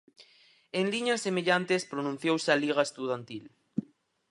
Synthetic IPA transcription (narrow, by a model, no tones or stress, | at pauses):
enliɲasːemeʎant̪espɾonũn̟θjowsaliɣaest̪uð̞ant̪il